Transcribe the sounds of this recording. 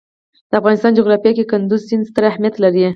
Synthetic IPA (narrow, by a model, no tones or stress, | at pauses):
d̪̥əafɣɑnɪst̪ɑnd͡ʒʊɣɾɑfijɑkekʊnd̪uzsinst̪əɾahmijat̪laɾi